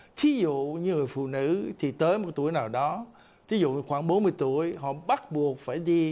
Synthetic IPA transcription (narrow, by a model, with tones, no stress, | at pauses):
t̪ʰi˨˦zṵ˧˨ɲɨ˧ŋɨ˨˩əjfṵ˧˨nɨ̰˧˥t̪ʰi˨˩t̪əː˨˦jmo˨˩t̪u˧˩əjnaː˨˩wɗɔ˨˦ | t̪ʰi˨˦zṵ˧˨˧xwaː˧˩ŋɓo˨˦nmɨ˧əjt̪u˧˩˨əjɦɔ̰˧˨ɓa˦˥t̚ɓu˨˩ək̚faː˧˩jɗi˧